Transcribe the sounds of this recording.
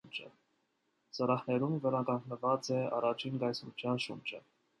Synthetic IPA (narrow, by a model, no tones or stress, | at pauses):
nd͡ʒə̰ | səɾɑχnɛɾumvɛɾɑkɑŋɡnəvɑt͡sɛɑ̰rɑt͡ʃʰinɡɑjsmut͡ʃʰjɑnʃṵnt͡ʃə̰